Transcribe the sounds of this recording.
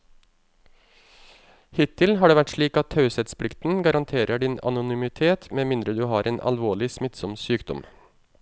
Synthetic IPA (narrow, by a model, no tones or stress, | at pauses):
hɪt̪ʰːɪlɦɑːɖeːʋæʈʂɭiːkɑt̪ʰhɑʉsɛt̪spʰlɪkt̪n̩ɡɑɾɑnt̪ʰeːɾʔəɖɪnɑ̰nʊnʏmɪt̪ʰeːt̪meːmɪnd̪ɾəd̪ʉːɦɑːɾʔeːnʔɑ̰lʋoːɭɪsmɪt̪sɔmsyːkd̪ɔ̰m